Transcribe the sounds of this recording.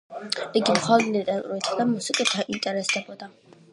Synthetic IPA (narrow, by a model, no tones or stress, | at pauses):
iɡimχad̪ld̪it̪ʼɛɾat̪ʼuɾit̪ʰad̪amusikʼɛt̪ʰaʔint̪ʼɛɾɛsd̪ɛbɔd̪a